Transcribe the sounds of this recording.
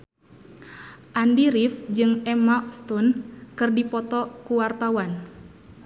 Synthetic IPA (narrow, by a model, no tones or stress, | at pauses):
ʔandiɾifd͡ʒɨŋɛmakst̪unkɨrdipɔt̪ɔkuwart̪awan